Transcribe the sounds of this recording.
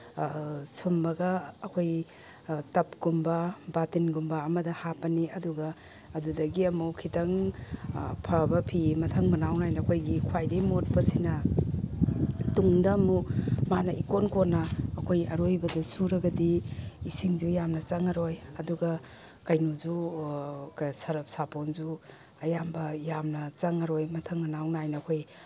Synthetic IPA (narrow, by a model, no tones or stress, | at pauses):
sʰumbɐɡɐːkʰoj | tɐpɡ̥umbɐbatinɡumbɐːmɐdɐhapɐniɐduɡɐː | dudɐɡiɐmuwkʰitɐŋ | pʰɐbɐpʰimɐtʰɐŋmɐnawnajnɐkʰojɡikʰwajdejmot̚pɐsinɐ | tuŋdɐmumanɐʔikonkonːɐːkʰojɐɾojbɐdɐsuɾɐɡɐdiisiŋd͡ʒujamnɐt͡ʃɐŋɐɾojɐduɡɐ | kɐjnuzu | ksɐɾɐp̚saponzu | ɐjambɐjamnɐt͡ʃɐŋɐɾojmɐtʰɐŋmɐnawnajnɐːkʰoj